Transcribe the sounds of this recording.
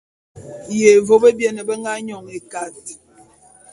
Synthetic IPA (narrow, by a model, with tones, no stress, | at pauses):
je˨vo˦bə˦bjɛ˦nə˨bə˦ŋɡa˦ɲɔ˨ŋe˨ka˨ti˨